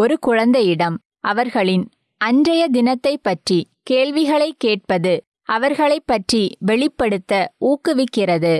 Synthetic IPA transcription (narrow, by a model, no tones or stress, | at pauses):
ɔɾɯkʊɻɐnd̪ɐjɪɽɐm | ʔɐʋɐɾɣɐɭɪn | ʔɐɲd͡ʒɐjɐd̪ɪnɐt̪ːɐɪpːɐʈri | keːɭʋɪɣɐɭɐɪkːeːʈ̚pɐðɯ | ʔɐʋɐɾɣɐɭɐɪpːɐʈriʋɛɭɪpːɐɽɯt̪ːɐuːkːɯʋɪkːɪrɐðɯ